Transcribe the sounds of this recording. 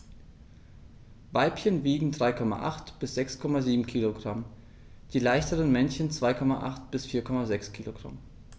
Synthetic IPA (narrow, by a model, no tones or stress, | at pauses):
vaɪpçənviːɡŋ̩dʁaɪkʰɔma̰ʔa̰χtb̥ɪsz̥ɛkskʰɔmaziːbm̩kʰiːloɡʁam | d̥iːlaɪçtəʁənmɛnçənt͡sv̥aɪkʰɔmaʔa̰χtb̥ɪsfiːɐkʰɔmazɛkskʰiːloɡ̥ʁa̰m